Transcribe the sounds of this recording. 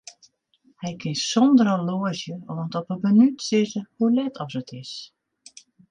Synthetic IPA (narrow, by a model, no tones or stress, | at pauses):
hɛjkʰɪnsɔndəɾəloəzjəɔntɔpəmənytsɪzəhulɛtʰɔsətʰɪs